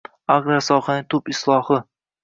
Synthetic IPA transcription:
aʁɾasɒqɑnɪt̪ʰʊpɪslˠɒhɨ

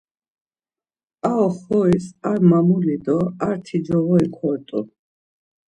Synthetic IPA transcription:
aɔχɔisaɾmamulid̪ɔaɾt̪ʰid͡ʒɔvɔikʼʰɔɾt̪ʼu

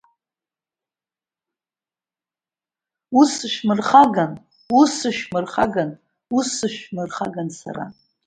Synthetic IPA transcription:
usɨʃᶣmɨrχaɡan | usɨʃᶣmɨrχaɡan | usɨʃᶣmɨrχaɡansa̰ɾa̰

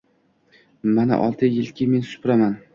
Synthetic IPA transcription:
mana̰ʔɒ̰lˠt̪ʰɪjɪlkʲʰɪme̞nsʊ̥pɾaman

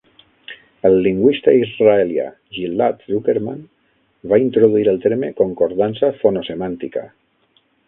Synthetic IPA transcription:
əlːiŋɡwist̪aizraelja̰ | ʒilːat̪rukeɾma̰n | baint̪ɾoðuiɾəlˠt̪eɾmekoŋkoɾðansafonosemant̪ika̰

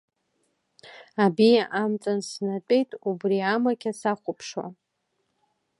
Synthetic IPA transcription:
abijaʔamt͡sʼansnat͡pʷʼejtʼubriamakʲʰasaχʷʊpʰʂwa̰

